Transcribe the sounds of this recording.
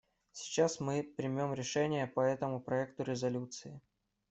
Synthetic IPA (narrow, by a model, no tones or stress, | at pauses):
sʲɪ̥t͡ɕasmɨpɾʲɪmʲo̞mɾʲɪʂɛnʲɪjəpɐɛt̪əmʊpɾɐɛk̚t̪ʊɾʲɪzɐlʲut̪sɨɪ